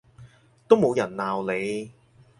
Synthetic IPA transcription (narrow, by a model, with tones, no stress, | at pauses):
t̪o˥wmo˨˧wjɐ˨˩nnaː˨wle˨˧j